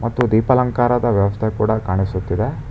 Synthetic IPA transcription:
mɐt̪ːud̪iːpɐlɐŋkaːɾɐd̪ɐʋjɐʋɐst̪ʰekuːɽɐkaːɳisut̪ːid̪e̞

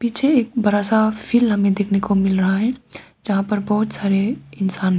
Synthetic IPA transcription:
pit͡ʃʰeeːk̚bəɾasapʰilɦəmẽd̪ekʰnekomɪlɾəɦaɦɛ̃ | d͡ʒəɦãpəɾbəɦut̪saːɾeɪnsaːnɦɛ

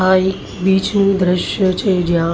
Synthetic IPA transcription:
aːik | biːt͡ʃnũd̪ɾɪʃjət͡ʃʰed͡ʒjã

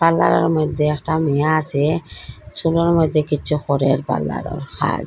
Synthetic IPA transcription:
balːa̰ɾɔ̰ɾmɔd̪ʱːeɛk̚ʈamijaːsesulɔɾmɔd̪ʱːekitːt͡ʃʰuxɔɾeɾba̰lːa̰ɾɔ̰ɾkʰa̰d͡ʒ

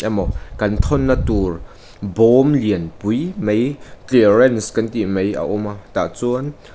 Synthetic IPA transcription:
amɔkɐnt̪ʰɔnːat̪ur | bɔmliənpujmejklirɛnskɐnt̪imejʔa̰ʔumat̪aʔt͡suən

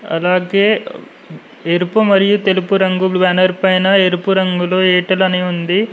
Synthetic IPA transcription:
ɐ̰laːɡeː | eɾupumɐɾijut̪elupuɾɐŋɡuʋaːnɐɾpɐjnɐeɾupuɾɐŋɡuloːeːʈɐlɐniund̪i

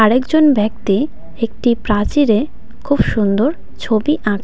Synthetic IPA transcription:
aɾekd͡ʑonbɛk̚t̪i | ek̚ʈipɾãt͡ɕiɾe | kʰubʃund̪oɾ | t͡ɕʰobiʔãʈ

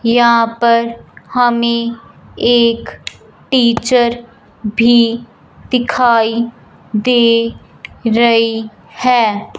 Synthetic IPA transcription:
jɐɦãpəɾhɐmẽ | eːk | ʈiːt͡ʃəɾ | bʱi | d̪ɪkʰaːi | d̪eː | ɾɐi | hɛː

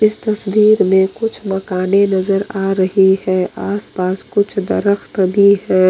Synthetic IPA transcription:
ɪst̪ɐsbiːɾmẽkʊt͡ʃʰmɐkaːnenɐzəɾaːɾɐɦihɛːʔaːspaːskʊt͡ʃʰd̪ɐ̰ɾəxt̪bʱiɦɛː

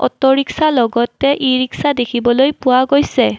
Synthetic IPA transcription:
ɔ̰tːɔɹiksalɔɡɔtɛʔiɹiksadekʰibɔlojpʊwaɡojsɛ

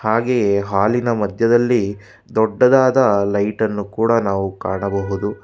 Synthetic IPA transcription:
haːɡejeɦaːlinɐmɐd̪ʱjɐd̪ɐlːi | d̪ɔɖːɐd̪aːd̪ɐlɐjʈɐnːukuːɽɐnaːʋukaːɳɐbɐɦud̪u

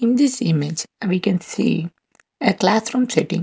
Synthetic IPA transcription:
ɪ̃nd̪ɪsɪmed͡ʒʋiːkɛ̃nsḭː | eklasfɾɔ̃ːmsɛʈɪ̰̃ŋ

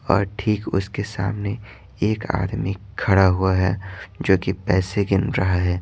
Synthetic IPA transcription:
ɔ̰ːɾʈʰiːkʊskesa̰ːmne | eːka̰ːd̪mikʰːɐɽaɦuaɦɛːd͡ʒoːkipɛːseɡɪnɾɐɦaɦɛː

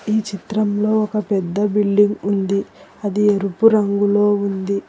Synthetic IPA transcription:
iːt͡ʃit̪ɾɐmlo̞ːɔkɐpɛd̪ːɐbiɭɖiŋɡund̪iɐd̪ieɾupuɾɐŋɡulo̞ːund̪i

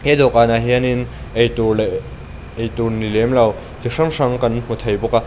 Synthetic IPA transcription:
hed̪ɔkanaɦianinejt̪ul | ejt̪unilemlaw | tiʂɐŋʂɐŋkɐnm̥ut̪ʰɐjbɔka

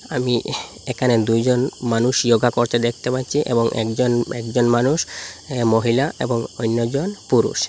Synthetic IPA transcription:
ami | ekʰaned̪ujd͡ʑonmanuʃjoɡʱakoɾt̪ed̪ekʰt̪epat̪ːɕʰiʔḛboŋʔɛ̰kd͡ʑonɛkd͡ʑonmanuʃmoɦilaḛboŋojnːod͡ʑonpuɾṵʃ

